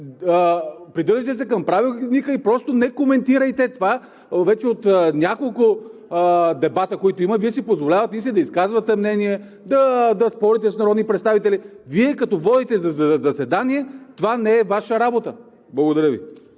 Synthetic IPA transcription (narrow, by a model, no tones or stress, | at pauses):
pɾid̪ɤɾʒət̪ɛsɛkɐmpɾavilˠnikəipɾɔst̪onɛkomɛnt̪iɾəjt̪ɛt̪ova | vɛt͡ʃɛot̪nʲjakolˠkʊ | d̪ɛbat̪əkoit̪oiməviɛsipozvolʲavət̪ɛisɛd̪ɐiskazvɐt̪ɛmnɛniɛ | d̪ɐd̪ɐspɔɾit̪ɛsnɐɾɔd̪nipɾɛt̪st̪avit̪ɛliviɛkɐt̪ɔvɔd̪it̪ɛzɐzɐzɐsɛd̪aniɛt̪ovanɛɛvaʃəɾabot̪ə | blˠɐɡod̪ɐɾəvḭ